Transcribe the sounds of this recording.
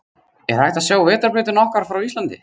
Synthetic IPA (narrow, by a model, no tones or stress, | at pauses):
ɛ̰ɾ̥ajht̪asjaːwvɛːt̪aɾpɾɪːt̪ɪnɔhkvaɾ̥fɾawist̪lant̪ɪ